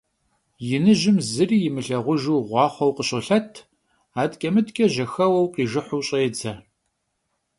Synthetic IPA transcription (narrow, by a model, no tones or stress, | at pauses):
jɪnɨʒɪmzɨriːjɪmɨɬɐʁʷʊʒuːʁʷɑːχʷɔwqəɕʼɨɬɐtʰ | aːtkʲʼɐmɨtkʼɐʑɐxɐwɐwqiːʒɪħʷʊwɕʼɐjɛd͡zʰɐ